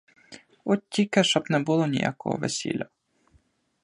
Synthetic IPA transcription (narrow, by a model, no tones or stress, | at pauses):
ɔtʲːikɛʃɔbnɛbulˠɔnʲḭja̰kɔ̰ɦɔ̰ʋḛsʲḭlʲɐ